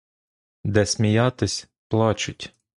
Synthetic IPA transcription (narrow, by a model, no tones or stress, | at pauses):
d̪ɛsʲmʲijɑt̪ɪsʲ | plˠɑt͡ʃʊtʲ